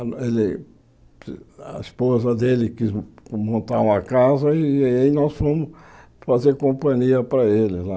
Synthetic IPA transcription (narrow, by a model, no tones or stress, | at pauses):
elɪ | ɐ̰ispozɐd̪elɪkizmõnt̪aũmɐkazɐiinɔsfõmʊs | fazeɾkõpɐ̃ɲiɐpɾɐelɪla